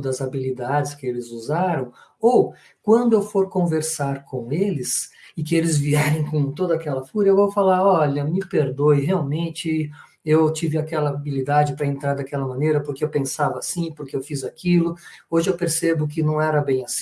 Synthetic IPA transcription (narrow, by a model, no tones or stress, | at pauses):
d̪ɐzabilid̪ad͡ʒɪskɪelɪzuzaɾɐ̃w̃ow | kwɐ̃nd̪ʊewfoɾkõveɾsaɾkʰõelɪsɪkɪelɪzviɛɾẽj̃kõt̪od̪ɐakɛlɐfuɾɐewvowfalaɾɔʎɐmɪpeɾd̪ojɦeawmẽnt͡ʃɪ | ewt͡ʃivɪakɛlɐabilid̪ad͡ʒɪpɾɐẽnt̪ɾaɾd̪akɛlɐmɐ̃nejɾɐpoɾkɪewpẽsavɐːsĩpoɾkɪewfizakilʊoʒɪewpeɾsebʊk̬ɪnɐ̃w̃ɛɾɐbẽj̃as